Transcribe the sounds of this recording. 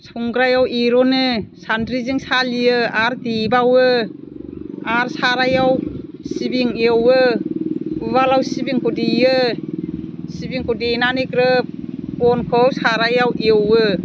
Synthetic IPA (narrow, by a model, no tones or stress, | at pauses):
sʰuŋɡɾajawiɾɔnɯsandɾiziŋsaliɯaɾdibawɯ | aɾsaɾajawsibiŋewɯ | ɯβalawsibiŋkʰɔdijɯ | sibiŋkʰɔdinanikɾɯp̚pɔnkʰɯwsaɾajawʔewɯ